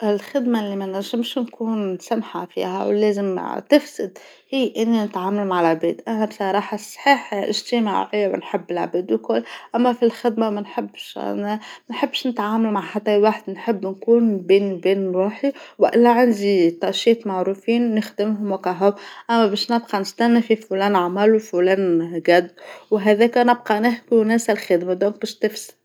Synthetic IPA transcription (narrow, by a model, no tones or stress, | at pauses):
ʔɪlxɪd̪malːimanɪʒɪmʃnkuːnsamħafḭːha̰wleːzɪmt̪ɪfsɪd̪ | hiːʔɪnːinɪt̪ʕaːmalmaʕɪlʕbeːd̪ʔanabsˤɑɾˤɑːħɑsˤħiːħlʔɪ̰ʒt̪ɪma̰ʕɪjːawɪ̰nħɪbːɪlʕa̰biːd̪wkʊlːʔamːafilxɪd̪mamanħɪbːʃænħɪbːʃnɪt̪ʕaːmalmaʕħat̪ːajwaħd̪nħɪbːnkuːnbiːnbiːnɪlwaːħiwɪʔɪlːæʕand̪it̪ˤɑʃiːt̪maʕɾufiːnːɪxd̪ɪmɦʊmwakaɦʊwʔæmːæbæːʃnɪb̚qɑnɪst̪ænːafifulæːnʕamælwfulæːnɡæd̪ːwɦæðæːkænɪb̚qɑnɪhbiwnæːsalxɪd̪mad̪oːŋk̚bæʃt̪ɪfsɪ̥